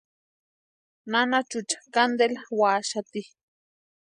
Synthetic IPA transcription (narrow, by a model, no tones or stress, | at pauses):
nanat͡ʃut͡ʃḁkand̪elawaːʃat̪i